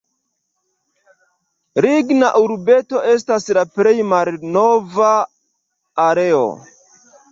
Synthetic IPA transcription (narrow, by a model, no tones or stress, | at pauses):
ɾiɡnaʔuɾbe̞to̞e̞s̬taslapɾe̞jmalno̞vaː | ɾe̞o̰